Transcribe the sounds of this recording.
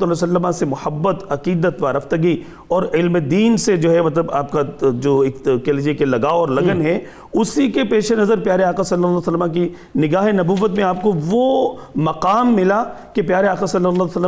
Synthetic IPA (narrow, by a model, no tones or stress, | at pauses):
t̪ɐlːsɐlːəmãsemʊhəbːət̪ɐqiːd̪ət̪ʋaɾɐft̪əɡi | ɔːɾɪlmed̪iːnsed͡ʒoːɦɛmɐt̪̬ləbaːp̚kad͡ʒoːɪkkeːld͡ʒekelɐɡaːɔːɾlɐɡənɦɛ | ʊsikepeːʃenɐzəɾpjaːɾeaːqasɐlːəlːsəlːmãk̬i | nɪɡaːɦenɐbuːʋət̪mẽaːp̚koʋo | mɐqaːmːɪlakepjaːɾeaːqasɐlːəlːaːsəlː